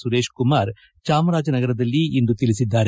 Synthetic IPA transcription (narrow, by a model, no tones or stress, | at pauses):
suɾe̞ːʃkumaːɾ | t͡ʃaːmɐɾaːd͡ʒɐnɐɡɐɾɐd̪ɐlːiind̪ut̪ilisid̪ːaːɾ